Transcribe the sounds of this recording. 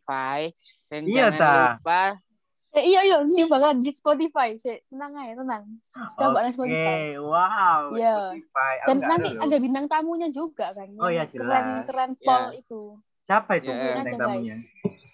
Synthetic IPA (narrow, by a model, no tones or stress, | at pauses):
fa | ijat̪aa | eijaijoibakaladispɔt̪ifajsɛt̪ənaŋajat̪ənaŋkabaʔanas̬pɔtieawawjjaifajadanːant̪iadabinaŋt̪amuɲad͡ʒuɡakanojad͡ʒkəlɾɛnkəɾɛnpɔlit̪u | t͡ʃapajt̪unaaat̪amuɲa